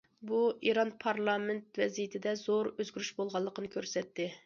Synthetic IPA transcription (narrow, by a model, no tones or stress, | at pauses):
buʔiɾɑnpʰɑɾlˠɑmɪnt̪̚vɛzijit̪ʰɪd̪ɛzoɾøzɡʲyɾyʃbolˠʁɑlˠːəqʰənɨkʲʰøɾsɛt̪ːɪ